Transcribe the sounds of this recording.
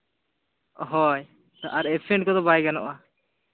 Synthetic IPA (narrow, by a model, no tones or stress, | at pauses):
ɦɔj | t̪ɔʔaɾɛpʰɛɳɖkɔd̪ɔbajɡanɔ̰ʔa